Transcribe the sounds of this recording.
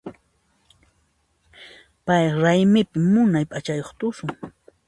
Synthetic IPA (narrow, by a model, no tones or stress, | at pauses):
pajɾajmɪpɪmːʊnajpʼat͡ʃajoχt̪ʊsʊŋ